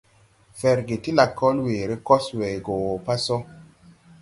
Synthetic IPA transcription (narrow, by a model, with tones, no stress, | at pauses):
fɛ˨ɾɡe˨ti˦la˨kːɔ˦lwe˨ɾe˦kɔ˦swe˨jɡo˨wɔ˨pa˦sɔ˦